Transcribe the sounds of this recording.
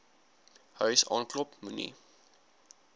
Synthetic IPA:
hœɥsɑ̰ːnklɔpmunḭ

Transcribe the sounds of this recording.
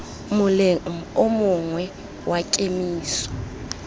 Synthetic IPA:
mʊlʊmʊŋwɛ | wʔakʼemiːsɔ̥

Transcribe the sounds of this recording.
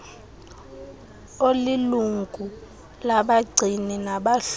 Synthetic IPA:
oliluŋɡʱu | laɓaɡ͡ǀʱininaɓaɬ

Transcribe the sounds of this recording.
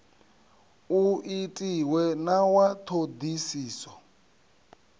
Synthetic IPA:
uʔitʼiwɛnawatʰod̪isiːsɔ

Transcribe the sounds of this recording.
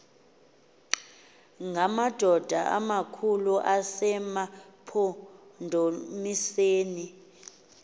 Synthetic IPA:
ŋamad̥ʱɔd̥ʱaʔa̰makʰuluʔasɛmapʰɔndʱomiseːni

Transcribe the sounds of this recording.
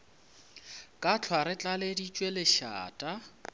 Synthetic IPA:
kʼat͡ɬʰwaɾɪt͡ɬʼaledit͡ʃʼwelɪʃa̰ːtʼa

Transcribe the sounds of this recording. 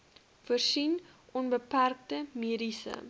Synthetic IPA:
fərsin | ʔɔnbəpærk̚təmiədisə̰

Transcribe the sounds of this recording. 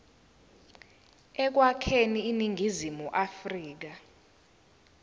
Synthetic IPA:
ɛk̬wakʰeniːniŋʱizimuʔafriːk̬a

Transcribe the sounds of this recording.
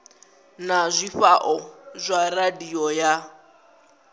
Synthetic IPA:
nazʷifaʔɔzʷaradiɔja

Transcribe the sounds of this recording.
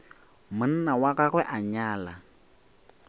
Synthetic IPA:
mʊn̩nawakaɣwɛʔaɲaːla

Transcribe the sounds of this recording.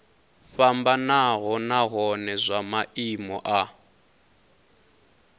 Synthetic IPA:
fambanaɦɔnaɣɔnɛzʷamaʔimɔ̰ʔa

